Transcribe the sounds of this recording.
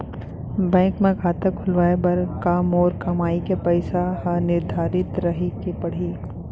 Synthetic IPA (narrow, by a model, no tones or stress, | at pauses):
bɛ̃ːŋkmẽkʰaːt̪əkʰʊlʋaːebɐɾkaːmɔːɾkɐmaːikepɐɪsahɐnɪɾd̪ʱaːɾɪt̪ɾɐɦikepɐɽ̤iː